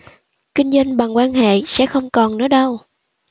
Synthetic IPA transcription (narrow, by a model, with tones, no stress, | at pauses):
kï˧ŋ̟zwa˧ŋɓa˨˩ŋkwaː˧nhḛ˧˨sɛ̰˧˥xə˧wŋ͡mkɔ˨˩nnɔ˨˦ɗə˧w